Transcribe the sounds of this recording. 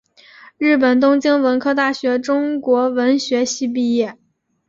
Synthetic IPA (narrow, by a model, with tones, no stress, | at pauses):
ɻɻ̩˥˩pə˨˩nt̪̬ʊ˥ŋt͡ɕi˥ŋwə˧˥nkʰɤ˥˧t̪a˥˩ɕɥɛ˧˥ʈ͡ʂʊ˥ŋkwɔ˧˥wə˧˥nɕɥɛ˧˥ɕi˥˧p̬i˥˧jɛ˥˩